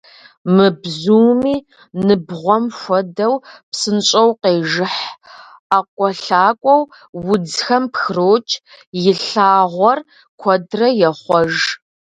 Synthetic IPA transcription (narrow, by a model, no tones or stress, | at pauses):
mɨbzuːmiː | nɨbʁʷɔmʃʷɔdɐwpsɨnɕʼɐwqeːʒɨħ | aːkʷʼɔɬaːkʷʼɔw | wʊd͡zxɐmpxroːt͡ʃʼjɪɬaːʁʷɔr | kʷʰɔdrɐjɛχʷɔʒ